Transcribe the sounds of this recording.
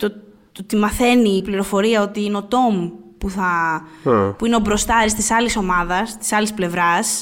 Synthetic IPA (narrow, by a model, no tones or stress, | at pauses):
t̪o | ot̪imɐθe̞niːpliɾo̞fo̞ɾiɐo̞t̪iineo̞t̪o̞mpuθɐ | puineobɾo̞st̪ɐɾist̪isɐliso̞mɐðɐst̪i̥sɐlisple̞vɾɐs